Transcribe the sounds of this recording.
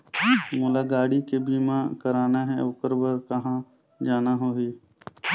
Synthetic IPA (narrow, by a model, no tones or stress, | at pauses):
mʊːlaɡaːɽikebiːmãkəɾaːnaɦɛ̃ʊkəɾbəɾkɐɦã | d͡ʒaːnaɦoːɦiː